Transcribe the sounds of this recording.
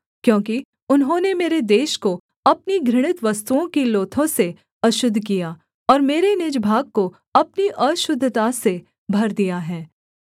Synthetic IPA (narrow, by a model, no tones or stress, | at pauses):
kjõːki | ʊnɦõːnemeːɾed̪eːʃko | ɐp̚niɡɾɪɽ̃ɪt̪ʋɐst̪uõkiloːt̪ʰõse | ɐʃʊd̪ʱːkija | ɔːɾmeːɾenɪd͡ʒbʱaːɡ̚ko | ɐpniʔɐʃʊd̪ʱːt̪ase | bʱɐɾd̪ijaɦɛː